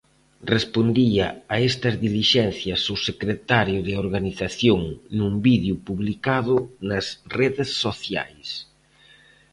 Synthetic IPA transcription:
respond̪iɐaest̪ɐzðiliʃɛn̟θjɐsosekɾet̪aɾjʊðɪoɾɣaniθaθjoŋnumbiðjupuβlikaðʊnɐsreðesːoθja̰js

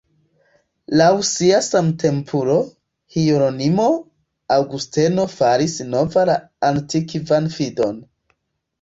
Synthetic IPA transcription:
lawsiasamtʰe̞mpʰuɾo̞ | hiɾonimo̞ | awɡusteno̞faɾisno̞vala | antikvanfido̞n

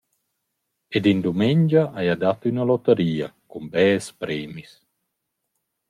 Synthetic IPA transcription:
ed̪ind̪umeɲd͡ʒaʔajad̪at̪ynalɔt̪əɾiːakumbɛːspɾɛːmis

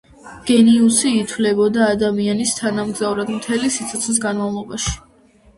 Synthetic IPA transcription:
ɡ̥ɛniusiːt̪ʰwlɛbɔd̪aːd̪amianist̪ʰanamɡzavɾad̪mt̪ʰɛlisit̪sʰɔt̪sʰnis̬ɡanmavlˠɔbaʃi̥

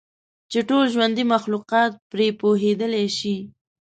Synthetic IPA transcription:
t͡ʃeʈolʒwand̪imaxluqɑt̪̚pɾepoɦed̪əleʃi

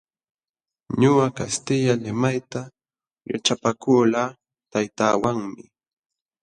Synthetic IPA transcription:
ɲʊwakast̪ɪʎalɪmajt̪a | ja̰t͡ʃapakuːlaː | t̪ajt̪aːwaŋmɪ

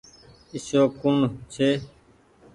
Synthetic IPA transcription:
ɪʃoːkunt͡ʃʰeː

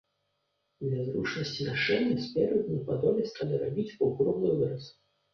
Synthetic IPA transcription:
d̪lʲɐzɾut͡ʂnɐsʲt͡sʲinaʂɛnʲːɐspʲɛɾʲɨd̪ʲnʲipad̪ɔbʲɛsʲt̪ad̪ɐɾabʲit͡sʲpɐwɣɾɔmnɨjvɨɾɐs

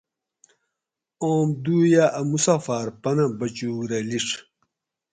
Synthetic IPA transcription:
oːmd̪uːjaʔɐmusafaːɾpɐnɐbɐt͡ɕuːɡɾɐliʂ

